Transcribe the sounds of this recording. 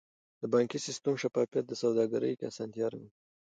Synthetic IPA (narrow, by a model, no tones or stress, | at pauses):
d̪̥əbɑŋkisɪst̪əmʃafɑfijat̪̚d̪əsawd̪ɑɡaɾə̰jkasɑnt̪ijɑɾamwi